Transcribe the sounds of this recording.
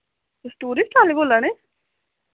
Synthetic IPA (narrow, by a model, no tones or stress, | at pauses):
t̪sʈuːɾiːsʈʰaːliboːlaneː